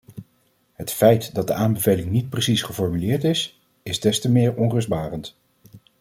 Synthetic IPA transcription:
ɦətfɛjtdɑt̚dəʔaːmbəvejlɪŋnit̚prəsisχəfɔɹmylɪːɹtɪs | ɪzdɛstəmɪːɹɔnrɵzd̚baːrənt

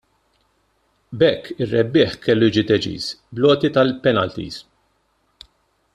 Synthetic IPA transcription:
bɛkːɪrːɛbːɪːħkɛlːʊjɪːd͡ʒid̪ɛt͡ʃḭːsblɔːt̪it̪ɐlpɛnɐlt̪ḭːs

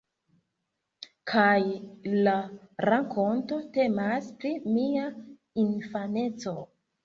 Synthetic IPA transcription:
kʰajlaɾakʰo̞nto̞te̞maspɾimia | infane̞t͡so̞

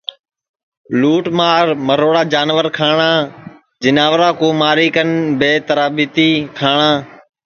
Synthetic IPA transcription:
luːʈmaːɾməɾoːɽaːd͡ʒaːnʋəɾkʰaːɳaː | d͡ʒɪnaːʋɾaːkoːmaːɾiːkənbeːt̪əɾaːbit̪iːkʰaːɳãː

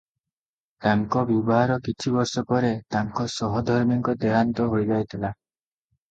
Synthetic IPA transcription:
t̪aŋkɔbubɔɦaɾɔkit͡ʃʰibɔɾsɔpɔɾet̪aŋkɔsɔɦɔd̪ʱɔɾmjiŋkɔd̪eɾant̪ɔɦojd͡ʒajt̪ʰila

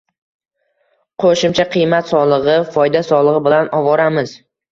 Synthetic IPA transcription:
qʰoʃɪmt͡ʃʰaqʰɨjmat̪sɒlˠɨʁɨfɒjd̪asɒlˠɨʁɨbɪlanɒvɒɾamɪz̥

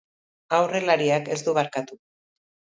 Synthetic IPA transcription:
awre̞laɾiake̞zd̪uβaɾkat̪u

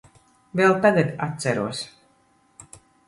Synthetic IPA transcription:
vɛlˠt̪aɡat̪at̪sæɾuɔs

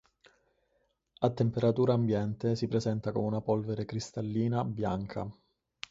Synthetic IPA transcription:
at̪ːempeɾat̪uːɾaːmbjɛnt̪esipɾezɛnt̪akomeunapɔlveɾekɾist̪alːiːnabjaŋkʰa̰

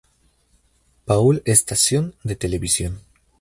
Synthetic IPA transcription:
paulest̪asjond̪et̪eleβisjon

